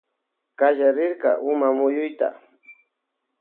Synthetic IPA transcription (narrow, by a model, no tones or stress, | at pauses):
kaʒaɾɪɾka̰ʔʊmamʊjʊjt̪a̰